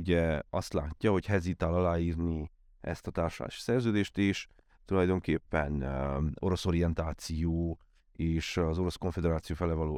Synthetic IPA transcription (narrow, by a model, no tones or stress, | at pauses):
uɟɛɒst̪la̰ːcːɒɦo̞chɛzit̪alɒlaːiːrni | ɛ̰st̪ɒt̪aːrʃola̰ːʃi̥sɛrzøːd̪eːʃt̪eːʃ | t̪ulɒjd̪o̞ŋkeːpːɛno̞ɾo̞so̞ɾijɛnt̪aːt̪sijoː | eːʃɒzo̞ɾo̞sko̞ɱfed̪ɛɾaːt̪sijoːfɛlɛvɒloː